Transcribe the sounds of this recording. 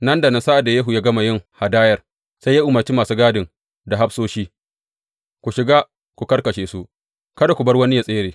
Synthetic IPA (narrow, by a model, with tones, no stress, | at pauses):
nɐ˦nda˨na˨sa˦ʔa˨da˨jɐ˦ɦu˨jaː˦ɡɐ˦ma˨jɪ˦ŋha˨daː˦jɐ˨r | sa˦ja˦ʔʊ˨mɐ˨rt͡ʃi˦maː˨suː˦ɡaː˦dɪ˨ŋ | da˨ɦa˦bsoː˦ʃiː˦ | kʷu˨ʃɪ˨ɡaː˦ | kʷu˨kɐ˦rkɐ˨ʃeː˨su˦ʔ | kɐ˦da˨kʷu˨bɐ˦rwɐ˦ni˦ja˦˨sʼeː˦ɾeː˨